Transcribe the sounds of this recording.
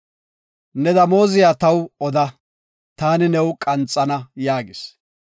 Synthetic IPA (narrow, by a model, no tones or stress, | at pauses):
nɛd̪ɐmo̞ːzɪjaːt̪ɐwɔd̪ɐ | t̪aːnɪnɛwkʼɐnt͡sʼːɐnɐjaːɡɪs